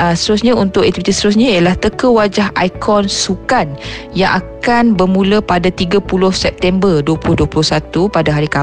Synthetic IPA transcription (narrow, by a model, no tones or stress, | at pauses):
əst̪əɾʊsɲaunt̪ʊkɛt̪ifit̪ist̪əɾʊs̬ɲaijalaht̪əkəwad͡ʒaɦa̰jkʰɔnsukan | jaŋʔakkanbərmulapadat̪iɡapulʊhsɛp̚t̪ɛmbərduəpulʊhduapulʊhsat̪upadaɦaɾika